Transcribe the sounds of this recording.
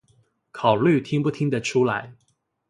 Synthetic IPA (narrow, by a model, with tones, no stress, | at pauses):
kʰɑ˨˩ʊly˥˩t̪ʰi˥ŋpu˥˩t̪ʰi˥ŋd̪ə˨ʈ͡ʂʰu˥la˧˥ɪ